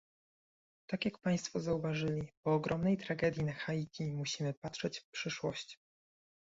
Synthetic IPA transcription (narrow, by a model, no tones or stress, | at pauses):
t̪akʲjakpaj̃st̪fɔzauvaʐɘlʲipɔːɡɾʔɔmnɛjt̪ɾaɡɛd̪ʲjinaxajikʲimuɕimɘpatʂɛt͡ɕfpʂɘʂwɔɕt͡ɕ